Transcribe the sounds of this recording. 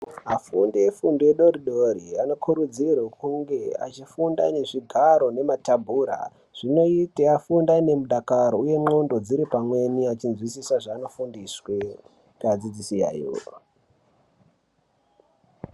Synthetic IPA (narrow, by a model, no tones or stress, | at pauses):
afundeefundoeɗoɾiɗoɾiano̞kʰuɾud͡zirwekuŋɡe̞a̰t͡ʃifunda̰ne̞ʐiɡʱaɾo̞ne̞matabʱuːɾa̰ | ʐ̥ino̞iteafundane̞muɗakaɾouje̞mondo̞d͡ziɾipamwe̞niat͡ʃinzwisisaʐaːno̞fundiswe | kad͡zid͡zisia̰ːjo̰